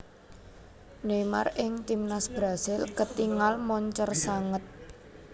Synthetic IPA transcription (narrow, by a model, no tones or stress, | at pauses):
nema̰rɪŋt̪imnasb̥ɾasɪlkət̪iŋalmɔɲt͡ʃərsaŋət̪̚